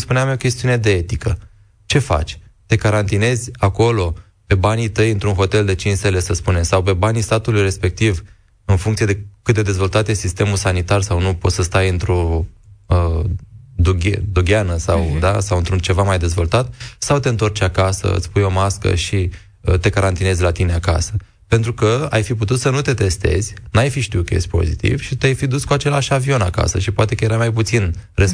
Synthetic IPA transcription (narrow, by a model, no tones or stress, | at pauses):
spuneamo̞kʲe̞st̪iune̞d̪e̞e̞t̪ikə | t͡ʃe̞fa̰t͡ʃʲt̪e̞kaɾant̪ine̞zʲako̞lo̞ | pe̞banit̪əjɨnt̪ɾunɦo̞t̪e̞ld̪e̞t͡ʃinst̪e̞le̞səspunemsawp̬e̞banist̪at̪ulujɾe̞spe̞k̚t̪iv | ɨnfuŋkt̪sije̞d̪ekɨt̪d̪e̞d̪e̞zvo̞lt̪at̪jesist̪e̞mulsanit̪arsawnupo̞t̪səst̪ajɨnt̪ɾo̞ | ə | d̪uɡʲed̪uɡʲanəsawd̪asawɨnt̪ɾunt͡ʃe̞vamajd̪e̞zvo̞lt̪at̪sawt̪e̞ɨnt̪o̞rt͡ʃʲakasə̰ɨ̰sʲpujo̞maskə̰ʃi | ət̪e̞kaɾant̪ine̞zʲlat̪ine̞aka̰sə | pe̞nt̪ɾukəa̰jfiput̪ut̪sənut̪e̞t̪e̞st̪e̞̰zʲnajfiʃt̪iukəjesʃt̪ʲpo̞̰zḭt̪ḭv̥ʃit̪ajfid̪uskuat͡ʃe̞laʃavio̞naka̰səʃipoat̪e̞kəjeɾamajput̪sinres